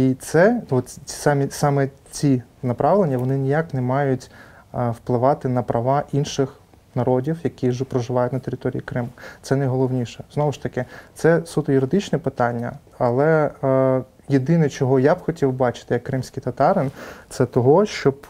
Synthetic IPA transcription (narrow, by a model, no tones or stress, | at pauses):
it̪sɛɔt̪ʲsɑmʲisɑmɛt͡sʲinɐpɾɑʋlˠenʲːɐʋɔnɪnʲijaknɛmɑjʊtʲwplˠɪʋɑt̪ɪnɐpɾʔɐʋɑʔinʃɪx | nɐɾɔdʲiwjɐkʲiʒɛpɾɔʒɪʋɑjʊtʲnɐt̪eɾʲɪt̪ɔɾʲḭikɾɪmʊt̪sɛnɐjɦɔlˠɔʋnʲiʃɛz̥nɔʋʊʃt̪ɐkɪt̪sɛsut̪ɐjʊɾɪd̪ɪt͡ʃnɛpɪt̪ɑnʲːɐ̰ | ɐlˠɛ | jed̪ɪnɛt͡ʃɔɦɔjabxɔtʲiwbɑt͡ʃɪ̥t̪ɪjɐkːɾɪmsʲkʲijt̪ɐt̪ɑɾɪnt̪sɛt̪ɔɦɔʃt͡ʃɔb